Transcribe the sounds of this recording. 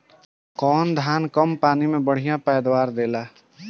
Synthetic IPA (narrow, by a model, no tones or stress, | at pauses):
kɔːnd̪ʱaːnkəmpaːnimẽbəɽ̤ijãpɛːd̪waːɾd̪eːlaː